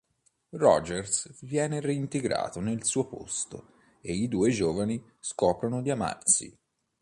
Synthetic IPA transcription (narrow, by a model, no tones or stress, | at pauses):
rɔd͡ʒersvjɛːnereint̪eɡɾa̰ːt̪onelsuːopo̰st̪o̰ | eid̪uːed͡ʒoːvani | skɔːpɾonod̪iama̰rsḭ